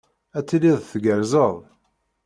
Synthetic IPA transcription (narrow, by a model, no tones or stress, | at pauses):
æt͡sːiliðˤθɡəɾzəðˤ